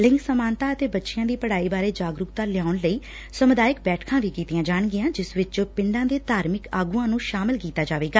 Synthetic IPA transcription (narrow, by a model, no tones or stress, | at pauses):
lɪŋksəmaːnt̪aːət̪eːbətːʃɪjãːd̪iːpəɽaːiːbaːɾeːd͡ʒaːɡɾʊkt̪aːlɪaːʊɳləiː | səmʊd̪aːjɪkbɛːʈʰkʰãːʋiːkiːt̪ɪjãːd͡ʒaːɳɡɪjãːd͡ʒɪsʋɪt͡ʃpɪɳɖãːd̪eːd̪aːɾmɪkaːɡuːãːnũːʃaːmɪlkiːt̪aːd͡ʒaːʋeːɡaː